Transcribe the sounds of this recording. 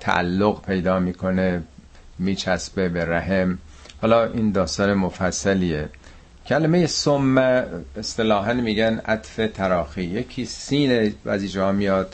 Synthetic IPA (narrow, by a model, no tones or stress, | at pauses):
t̪ʰæ̰ʔæ̰lːoɣpʰe̞jd̪ɒːmiːkʰo̞ne | miːt͡ʃʰæsbebeɾæɦem | hɒːlɒːʔiːnd̪ɒːst̪ɒːnemofæsːæliːe | cʰælemejesomːæest̪e̞lɒːɦænmiːɟænæt̪fet̪ʰæɾɒːxiːjecʰiːsiːnevæ̰ziːd͡ʒehɒːmijɒːd̪̥